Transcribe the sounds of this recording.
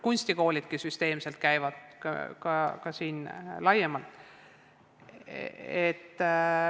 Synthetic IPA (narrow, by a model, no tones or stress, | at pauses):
kunʲst̪iko̞ːlʲid̪̥̚kisyst̪e̞ːmse̞lt̪̚kæjvɑd̪̥̰kɑkɑsiːnlɑjemɑlt̪ˑ | et̪ː